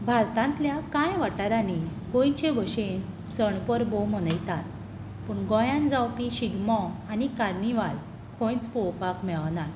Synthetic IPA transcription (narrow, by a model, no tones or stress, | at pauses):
bʱaɾt̪ãnt̪ljakãjʋaʈaɾaneɡõjt͡ɕeɡʱoɕen | səɳpəɾbomənəjt̪at̪̚ | pəɳɡɔ̃jãnd͡zawpiɕiɡmɔanikaɾniʋal | kʰõjt͡spɔwpakmɛɭʋnaɾ